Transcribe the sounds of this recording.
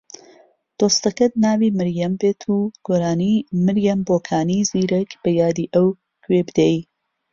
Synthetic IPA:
t̪ost̪ɐkɐd̪̚nɑːwiməɾjɐmbet̪ʰuɡ̥oɾɑːnimɪɾjambokʰɑːniziɾɐkbəjɑːd̪iʔaw | kwebd̪ej

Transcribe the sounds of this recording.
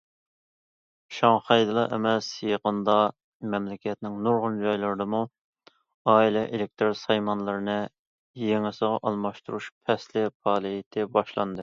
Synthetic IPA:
ʃɑŋχɑjd̪ɨlˠɑʔḛmɛsjeqənd̪ɑ | mɛmlɪkʲɛt̪nɪŋnuɾʁʊnd͡ʒɑjlˠɨɾɨd̪ɨmu | ɑːilɛʔelɪk̚ʲt̪ʰɾoɾsɑjmɑnlˠɨɾɨnɨ | jeŋɪsəʁɑʔɑlˠmɑʃt̪uɾuʃpʰɛslɪpʰɑːlˠijɪt̪ʰɪbɑʃlˠɑ̰nd̪ɨ

